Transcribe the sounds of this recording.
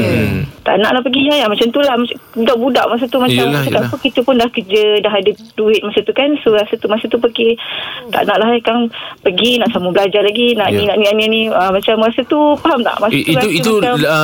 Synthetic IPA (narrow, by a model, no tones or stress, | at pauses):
t̪a̰ʔnaʔlahpəɡiɦajamat͡ʃamt̪ulahmabudaʔbuda̰ʔmas̬at̪umat͡ʃamt͡ʃakapəkit̪əpʊndahkəd͡ʒədaɦadəduɪt̪̚masat̪ukansoɣasat̪umasat̪upəket̪a̰ʔnaʔlaɦajkaŋpəɡinaʔsamubəlad͡ʒalaɡinaʔnĩnaʔnianianĩəmat͡ʃamɣasat̪upaɦamna̰ʔmasauiua